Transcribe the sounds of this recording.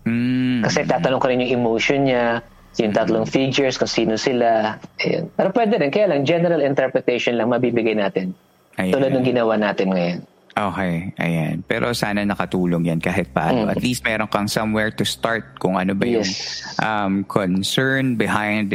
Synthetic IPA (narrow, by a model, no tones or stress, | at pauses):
m̩kɐsɛt̪aːt̪ɐnoŋkɐɾɪnjʊŋɪmowʃonɲa | jʊŋt̪ɐt̪loŋfid͡ʒɛɹskʊŋsiːnosɪlaʔɐjo̰npɛːɾopwɛːd̪ɛɾɛnkɐjaːlɐŋd͡ʒɛnɛɾɐlɪnt̪ɛɹpɹɛt̪ejʃonlɐŋmɐbiːbɪɡajnaːt̪ɪn | ʔɐj̪uːlɐd̪nɐŋɡɪnɐwanaːt̪ɪnŋɐjon | ʔoːkɛjʔɐ̰ja̰npɛ̰ːɾʔo̰saːnɐnɐkɐt̪uːloŋjankaːɦɪt̪̚pa̰ʔanoʔɐt̪list̪̚mɛːɾoŋkɐŋsɐmwɛɹt̪ʊst̪aɹt̪̚kʊŋʔɐnobɐjɛsʔɐmkʰonsɛɹnbɪhãjnd̪